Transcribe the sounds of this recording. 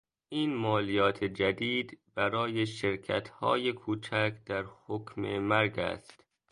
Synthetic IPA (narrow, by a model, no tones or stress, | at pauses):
ʔiːnmɒːlijɒːt̪ʰed͡ʒæd̪iːd̪bæɾɒːjeʃeɾkʰæ̰t̪hɒ̰ːjekʰuːt͡ʃʰækd̪æɾhokʰmḛmæɾɡæ̰st̪